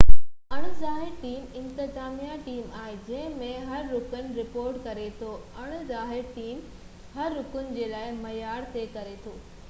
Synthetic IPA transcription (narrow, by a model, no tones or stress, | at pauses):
ɐɽ̃ʊzaːɦɪɾʈiːmɪ̃nt̪ɪzaːmijaʈiːmaːɦɪd͡ʑɐ̃ɦɪ̃mẽɦɐɾːʊkənɪ̆ɾɪpoːɾʈkɐɾet̪ʰoɐɽ̃ʊzaːɦɪɾʈiːm | hɐɾːʊkʊnɪ̆d͡ʑeːlaːɪmɐjaːɽt̪ʰekɐɾet̪ʰoː